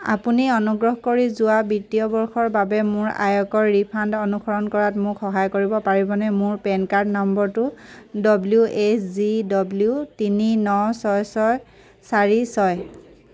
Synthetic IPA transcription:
a̰puniɔnuɡɹɔɦkoɹizʊwabitijɔbɔɹxɔɹbabɛmʊɹa̰jɔkɔɹːipʰandɔnukʰɔɹɔnkɔɹatmʊkxɔɦajkoɹibɔpaɹibɔnɛmʊɹpɛnkaɹdnɔmbɔɹtʊdɔbljuʔesʰzidɔbljutininɔsɔjsɔj | saɹisɔj

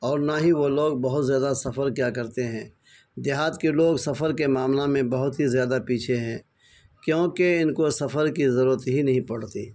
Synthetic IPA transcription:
ɔːɾnaɦĩʋoloːɡ̚bɐɦʊt̪zjaːd̪asɐfəɾkjakɐɾt̪eɦɛ̃ː | d̪ɪɦaːt̪keloːɡsɐfəɾkemaːmlamẽbɐɦʊt̪ɦizjaːd̪apiːt͡ʃʰeɦɛ̃ː | kjõːkeɪnkosɐfəɾkizɐɾuːɾət̪ɦinɐɦĩpɐɽ̤t̪iː

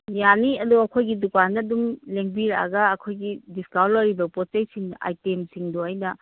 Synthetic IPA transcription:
janiɐduɐkʰojɡidukandɐdumleŋbiɾa̰ɡɐːkʰojɡidiskawlɐɾibɐpotejsiŋa̰jtemsiŋdoɐjnɐ

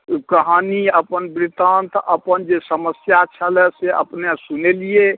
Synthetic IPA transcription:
kəɦaniəpənbɾit̪ãnt̪ʰəpənd͡ʒesəməsjat͡ʃʰəlɛseə̰pnesunelie

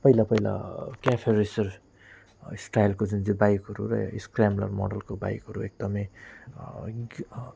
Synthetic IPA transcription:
pʌjlapʌjla̰kapʰerisʌr | sʈajlkod͡zund͡zibajkɦʌɾṵɾʌ̰iskramlʌ̰rmɔ̰ɖʌlkoba̰jkɦʌɾuek̚d̪ʌmʌj

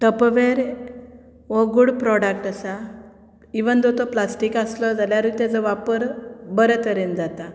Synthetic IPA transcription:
ʈəpʋeɾ | ʋɔɡuɽpɾɔɽək̚ʈəsa | iʋənd͡z̪ɔt̪ɔplasʈikaslɔd͡zaljaɾut̪jad͡zəʋapəɾbəɾət̪əɾend͡zat̪a

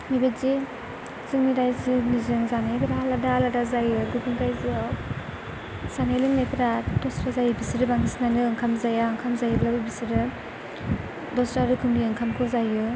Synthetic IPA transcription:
mibetzi | zɯŋniɾajzinizɯŋzanajpʰiɾaladaladazajɯɡupʰiŋkajzia | z̥anajlɯŋnajpʰiɾadɔsɾazajɯbisiɾɯbaŋisnanɯŋkʰamzajaɯŋkʰamzajɯlabɯbisiɾɯ | dɔsɾaɾɯkʰɯmdiɯŋkʰamkʰɯzajɯ

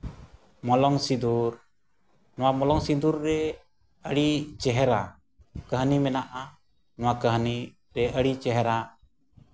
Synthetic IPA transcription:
mɔlɔŋsid̪uɾ | nɔwamɔlɔŋsid̪uɾːɛ | əɽit͡ʃɛɦɛɾa | kəɦnimɛnaʔa | nɔwakəɦni | ɾɛʔəɽit͡ʃɛɦɛɾa

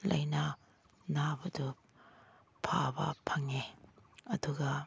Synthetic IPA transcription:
lʔɐ̰jnɐ | nabɐdu | pʰabɐ̰pʰɐŋeɐduɡɐ

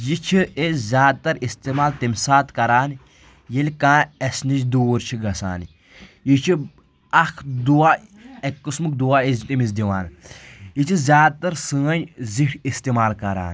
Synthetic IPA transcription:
jit͡ʃʰiezʲaːd̪̚t̪ɐɾist̪emaːlt̪imʲsaːt̪kɐɾaːn | jelʲkãːesnit͡ʃd̪uːɾt͡ʃʰiɡɐsa̰ːn | jit͡ʃʰi | ɐkʰd̪uaːekːɨsmɨk̚d̪uaːezt̪imizd̪iʋa̰ːnjit͡ʃʰizʲjaːd̪̚t̪ɐɾsɨːɐnʲziʈʰist̪imaːlkɐɾa̰ːn

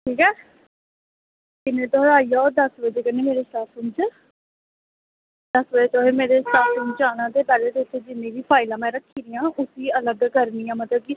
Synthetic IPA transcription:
ʈʰiːkɛː | kɪnẽːt̪oɦɾaːiːad̪əsʋəd͡ʒeːkəneːmeːɾeːsaːt̪ʰʊnt͡ʃ | d̪əsbəd͡ʒeːt͡ʃoːɦeːmeːɾeːsaːt̪ʊnt͡ʃaːɽ̃ãːd̪eːpɛːleːt̪eʊt̪ʰːeːd͡ʒɪnːẽːbiːpʰaːɪlãːmɛ̃ːɾəkʰːiːɾijãːʔʊsiːələɡkəɾniːãːmət̪ləb̚ki

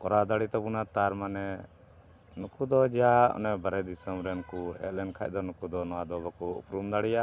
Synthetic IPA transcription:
kɔɾad̪aɽit̪ɔpunat̪aɾmanɛ | nukud̪ɔd͡ʒaɔ̰nɛbaɾɛd̪isəmɾɛnkuɦɛ̰t̪̚lɛnkʰa̰c̚ˀd̪ɔnukud̪ɔnɔwad̪ɔbakuṵpɾumd̪aɽija

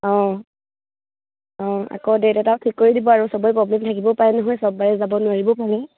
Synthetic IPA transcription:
ɔ̃ | ɔ̃a̰kɔdetɛtatʰikːoɹidibɔaɹusɔbɔjpɹɔblɛmtʰakibɔpaɹɛnɔɦɔjsɔb̚ːaɹɛzabɔnʊwaɹibɔpaɹɛ

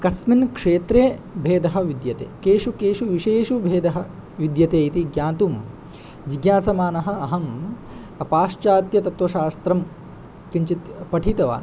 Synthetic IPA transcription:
kɐsminkʂeːt̪ɾeːbʱeːd̪ɐɦɐʋid̪jɐt̪ḛːkeːʂukeːʂuʋiʃeːʃubʱeːd̪ɐɦɐ̆ | ʋid̪jɐt̪eːit̪iɡjaːnt̪um | d͡ʒiɡjaːsɐmaːnɐɦɐ̆ɐɦɐm | ɐpaːʂt͡ʃaːt̪jɐt̪ɐt̪ʋɐʃaːst̪ɾɐm | kiɲt͡ʃit̪pɐʈʰit̪ɐʋa̰ːn

